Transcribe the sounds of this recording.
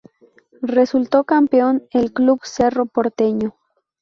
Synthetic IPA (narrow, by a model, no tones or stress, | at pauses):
result̪okampeonelklubseropoɾt̪eɲo